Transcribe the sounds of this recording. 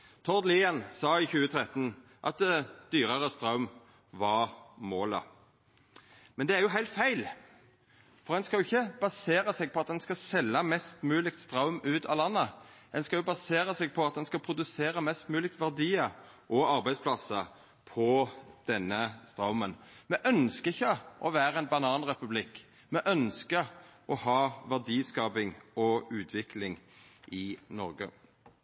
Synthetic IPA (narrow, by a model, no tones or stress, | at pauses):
t̪ʰɔʁd̪liːənsɑːɪçʉːət̪ʰʁɛt̪ːən̩ | ʔɑ̰t̪d̪yːʁəʁəst̪ʁɑʉm | ʋɑʁmoːlə̰ | mɛnd̪ɛæʁjʊɦæɪlt̪fæɪl | fɔʁd̪ɛnskɑʊɪçːəb̥ɑseːɾəsɛɡ̚pʰɔɑt̪̚d̪ɛnskɑsɛlːəmɛst̪mʉːlɪk̚t̪st̪ʁɑʊmʉːt̪ʰɑːlɑnːəd̪ɛnskɑljʊbɑseːʁəsɛːɡ̚pʰɔɑt̪̚d̪ɛnskɑpʰʁʊd̪ʉseːʁəmɛst̪mʉːlɪk̚t̪ʋæʁd̪iːə | ʔɔɑʁbæɪspʰlɑsə | pʰɔd̪̥ɛnːəst̪ʁɑʊmənmɛʔœnskəɪçːəʔɔʋæːʁəɛɪnbɑnɑːnʁɛpʉblɪkː | mɛʔœnskəʔɔhɑːʋæʁd̪iːskɑːbɪŋɔʉːt̪ʰʋɪklɪŋʔɪnɔʁɡə̰